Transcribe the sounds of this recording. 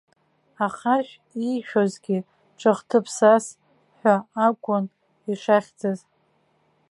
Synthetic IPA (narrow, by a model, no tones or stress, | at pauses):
aχaʃᶣ | ijʃᶣozɡʲi | ʈ͡ʂʰɨχtʰɨpʰsas | ħʷᶣaakʷʼʊn | iʂaχʲd͡zɨz